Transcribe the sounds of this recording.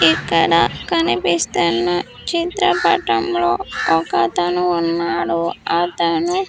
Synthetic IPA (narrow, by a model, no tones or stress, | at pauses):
ikːɐɽɐkɐnipist̪unːɐ | t͡ʃit̪ɾɐpɐ̰ʈɐmlo̞ːɔkɐt̪ɐnuːnːaːɽuɐt̪ɐnu